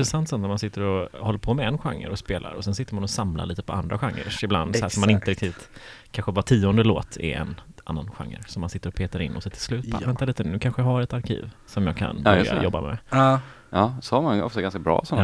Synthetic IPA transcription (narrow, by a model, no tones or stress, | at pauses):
ɪt̪ɾɛsant̪sɔnnɾmansɪt̪ːəɾɔhɔlːəɾpʰɔmɛɛnɧa̰ŋːə̰ɾɔspeːlʔa̰ɾɔsɛnsɪt̪ːəɾmanɔsamla̰ɭiːt̪ə̥pʰɔʔand̪ɾʔaɧaŋːə̰ʂɪbla̰nd̪sæːʂɔmːanɪnt̪əɾɛkt̪ʰiːvt̪kʰanɧəvatʰiːɔnd̪əloːt̪ʰɪ̰ɛ̰nʔa̰nːanɧa̰ŋːə̰ɾsɔmːansɪt̪ːəɾɔpʰeːt̪aɾɪ̰nʔɔsɛt̪ʰɪlslʉ̟ːt̪̚ʰvɛnt̪aliːt̪ənʉːkʰanɧəjahaɾɛt̪aɾkʰḭːvsɔmjɑ̰ːɡkʰa̰nbɾa̰jɔbːa̰mɛ̰ | ɑːsɔhaɾmanɔ̰ft̪aɡanskabɾɑ̰ːsɔn